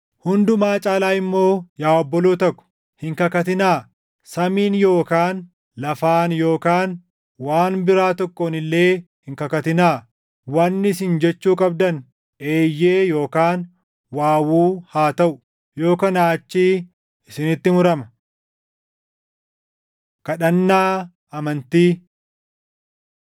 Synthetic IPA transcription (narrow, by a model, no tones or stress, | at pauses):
hʊnd̪ʊmaːt͡ʃʼaːlaːɪmːo̞ːjaːɔbːɔloːt̪ɐkːʊ̥ | hɪŋkɐkɐt̪ɪnaː | sɐmiːnjo̞ːkaːn | lɐfaːnjo̞ːkaːn | waːnbɪɾaːt̪ɔkʼːoːnɪlːe̞ː | hɪŋkɐkɐt̪ɪnaː | wɐnːɪs̬ɪnd͡ʒɛt͡ʃːuːkʼɐb̚d̪ɐn | e̞ːjːe̞ːjo̞ːkaːn | waːwuːhaːt̪ɐʔʊ | jo̞ːkɐnaːt͡ʃːiː | ɪsɪnɪt̪ːɪmʊɾɐmɐ | kɐᶑɐnːaː | ɐmɐnt̪iː